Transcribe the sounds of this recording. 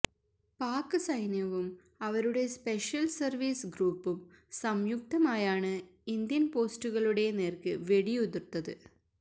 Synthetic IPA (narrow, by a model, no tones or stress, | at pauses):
paːkːɨsɐjnjɐʋum | ɐʋɐɾuɽe̞speʂjɐlsɐrʋiːsɡɾuːpːumsɐmjuk̚t̪ɐmaːjaːɳɨind̪jɐnpo̞ːstuɣɐɭuɽe̞ne̞ːrkɨʋe̞ɽiuðurt̪ːɐðɨ̰